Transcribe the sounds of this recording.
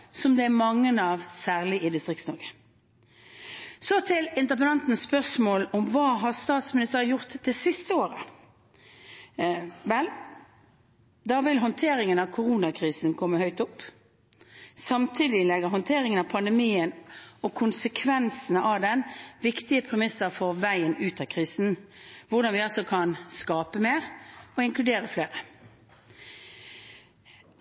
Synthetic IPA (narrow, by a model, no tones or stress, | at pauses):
sɔmd̪ɛæmɑŋːənəɑʋsæːʁlɪʔɪd̪ɪst̪ʁɪkt̪snɔɾɡə̥ | sɔt̪ʰɪlɪnt̪əʁpənɑnt̪n̩spœʁsmoːlɔmʋɑːɦɑʁst̪ɑːt̪smɪnɪst̪əɾəjʊʁt̪d̪ɛːsɪst̪əoːɾə | ʋɛl | d̪ɑʋɪlɦɔnt̪ʰeːɾɪŋənɑʋkʰʊʁuːnɑkʰʁiːsənkʰɔmːəhœʏt̪ʊpː | sɑmt̪ʰiːd̪ɪlɛɡəɦɔnt̪ʰeːʁɪŋənɑpʰɑnd̪ɛmiːənɔkʰʊnsəkʰʋɛnsnəʔɑʋd̪ɛnʋɪkt̪ɪəpʰʁɛmɪsəʁfɔʁʋæɪənʉːt̪ʰɑkʰʁiːsn̩ʋʊʁd̪ɑnʋɪɑlsɔkʰɑnskɑːpəmeːʁɔɪŋklʉd̪eːɾəfleːʁə